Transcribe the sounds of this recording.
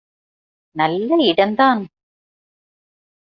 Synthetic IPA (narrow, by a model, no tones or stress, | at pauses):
nɐlːɐɪɽɐnd̪aːn